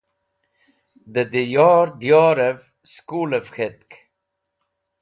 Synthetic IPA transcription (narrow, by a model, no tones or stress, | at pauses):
d̪əd̪ejɑːɾd̪jɑːɾəv | skuːləvxet̪̚k